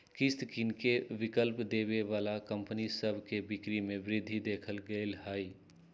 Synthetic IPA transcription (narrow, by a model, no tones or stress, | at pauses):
kɪst̪kinkeʋɪkəlpd̪eːʋeʋaːlakə̃mpnisəbʱkebɪkɾimẽbɾɪd̪ʱːid̪eːkʰəlɡəlhaːi